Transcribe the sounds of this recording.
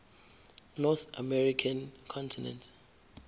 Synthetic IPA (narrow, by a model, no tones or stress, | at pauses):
nɔθamɛɹikʰãnkʰɔ̃ntʰinɛ̰̃ntʰ